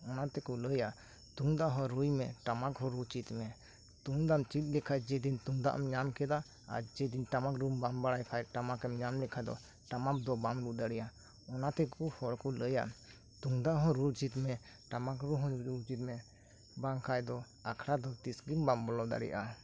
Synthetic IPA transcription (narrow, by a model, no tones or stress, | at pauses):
ɔnat̪ɛkɔləja | t̪uŋd̪aɦɔ̃ɾujmɛʈamakɦɔ̃ɾut͡ʃit̪mɛ | t̪uŋd̪amt͡ʃit̪̚ˀlɛkʰajd͡ʒɛd̪int̪uŋd̪a̰ʔmɲamkɛd̪a | a̰ɾd͡ʒɛd̪inʈamakɾumbambaɽajkʰajʈamakɛmɲamlɛkʰad̪ɔ̰ | ʈamak̚d̪ɔbamlud̪aɽɛja | ɔnat̪ɛkɔhɔɽkɔləja̰ | t̪uŋd̪aɦɔ̃ɾuɾt͡ʃit̪mɛ | ʈamakɾuɦɔ̃ut͡ʃit̪̚mɛ | baŋkʰajd̪ɔ | akʰɽad̪ɔt̪isɡimbambɔlɔd̪a̰ɽɛ̰jʔa